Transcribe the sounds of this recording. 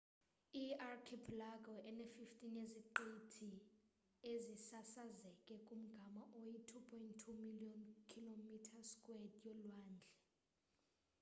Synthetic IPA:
iarkʰipʰlaɡʱɔʔɛnefiftʼineziǃetʰi | ezisasazɛkʼɛkʼum̩ɡ̥ʱamaʔojitʰupʰɔjntʰːumiliɔnkʰilomitʰaskʼwɛdʼjɔlwaːnd͡ɮʱɛ

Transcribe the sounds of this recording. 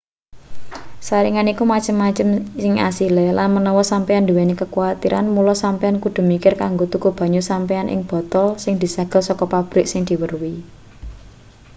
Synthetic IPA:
saɾiŋanikumat͡ʃəmːat͡ʃəmsɪŋasilɛlanmənɔwɔsampɛand̪uwɛnekəkuat̪iɾʔa̰nmulɔsampɛankud̪̥o̤mikɪrkaŋɡot̪ukub̥a̤ɲusampɛanʔɪ̰ŋb̥ɔ̤t̪ɔlsɪŋd̪̥i̤saɡ̥ə̤lsɔkɔpab̥ɾɪk̚sɪŋd̪̥i̤wərwi

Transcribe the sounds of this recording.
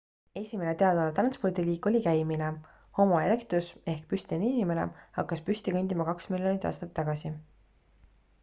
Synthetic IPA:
e̞sʲime̞ne̞t̪e̞ɑd̪ɑlet̪rɑnspo̞rd̪̥iliːkˑo̞lʲikæjmine | ho̞mɑele̞kt̪ruse̞hk̚pyst̪eninʲime̞nḛhɑkːɑspysʲt̪ikønʲd̪̥ʲimɑkɑksmilʲjo̞nit̪ːˑɑ̰ːst̪ɑt̪ːɑɡ̥ɑsi

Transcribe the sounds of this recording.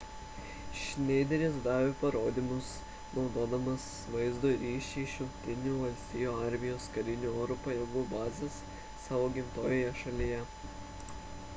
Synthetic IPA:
ʃʲnʲɛɪd̪ʲɛɾʲeːsd̪ɑːʋʲopɐɾoːd̪ʲiːmʊs | nɒʊd̪oːd̪ɐmɐs | ʋɐɪzd̪oɾʲiːʃʲɛʃʲʊmkt̪ʲɪnʲuːʋɐlʲsʲt̪ʲɪjuːɑˑɾʲmʲɪjoːskɐɾʲɪnʲuoɾʊpɐjɛɡuːbɑːzʲɐsː | ɑːʋoːɡʲɪmt̪oːjoːjɛʃɐlʲijɛ

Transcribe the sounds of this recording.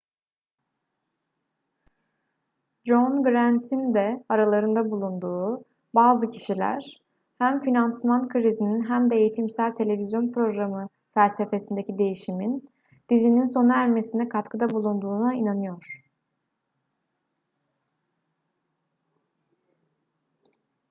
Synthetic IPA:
d͡ʒonɡɾænt̪ʰind̪ɛaɾalˠaɾɯnd̪abulˠund̪uː | baːzɯcʰiʃilʲæ̰ɾ̥ | hæmfinansmankʰɾizininɦæmd̪ɛejit̪ʰimsælʲt̪ʰe̞lʲe̞vizjo̞npɾo̞ɡɾamɯ | fælʲse̞fe̞sind̪e̞cid̪e̞jiʃimin | d̪̥izininso̞nuæɾme̞sind̪ɛkʰat̪kʰɯd̪abulˠund̪uːnainanɯjo̞ɾ̥

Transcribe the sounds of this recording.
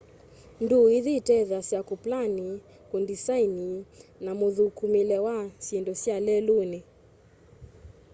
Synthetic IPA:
nduiðitɛðasjakuplani | kundisaininamoðukumilɛwasindɔsjalɛlune

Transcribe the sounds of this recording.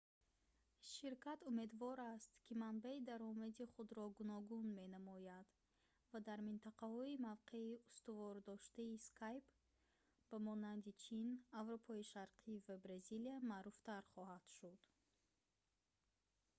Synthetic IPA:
ʃiɾkʰat̪ume̞d̪vɔɾast̪kʰimanbaid̪aɾɔmad̪iχud̪ɾɔɡunɔɡunme̞namɔjad̪ | vad̪aɾmint̪ʰaqahɔimavqʰe̞iust̪uvɔɾd̪ɔʃt̪aiskʰajp | bamɔnand̪it͡ʃʰinavɾopʰɔiʃaɾqʰivabɾaziliamaɾuft̪aɾχɔhad̪̥ʃud̪̥

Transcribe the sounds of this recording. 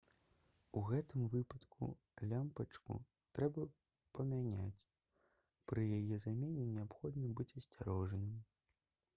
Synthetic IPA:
uɣɛt̪ɨmvɨpɐt̪kṵ | lʲampɐt͡ʂkṵ | t̪ɾɛbɐ | pɐmʲanʲa̰t͡sʲ | pɾɨjajɛzamʲenʲɛnʲɛapxɔd̪nɨbɨt͡sʲɐsʲt͡sʲaɾɔʐɐnɨm

